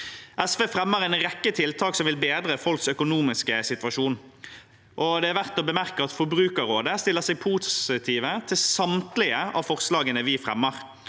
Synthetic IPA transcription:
ʔɛsʋeːfɾɛmːəʁɛɪnʁɛkːət̪ʰɪlt̪ʰɑːksɔmʋɪlbeːd̪ɾəfɔlksœkʊnuːmɪskəsɪt̪ʋɑʃuːn | ʔɔd̪ɛæɾʋæʁt̪ɔbəmæʁkəɑt̪fɔbɾʉːkəɾoːd̪əst̪ɪlːəʁsɛɪɡ̚pʰuːsɪt̪ʰiːʋət̪ʰɪlsɑmt̪lɪəɑ̰ːʋfɔʁslɑːɡənəʋɪfʁɛmːəʁ

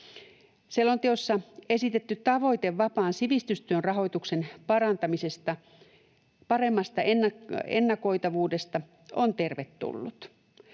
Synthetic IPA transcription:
selːont̪eosːɑe̞sit̪et̪ːytt̪ɑʋo̞jt̪eʋːɑpɑːnsiʋist̪yst̪yønrɑɦo̞jt̪ukse̞npɑɾɑnt̪ɑmise̞st̪ɑ | pɑre̞mːɑst̪ɑenːɑḛnːɑko̞jt̪ɑʋuːde̞st̪ɑ | ont̪e̞rʋet̪ːṵlːut̪

